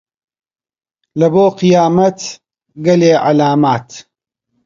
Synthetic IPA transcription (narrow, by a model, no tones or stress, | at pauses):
lɐboːqijaːmɐt̪ | ɡɐleːʕalaːmaːt̪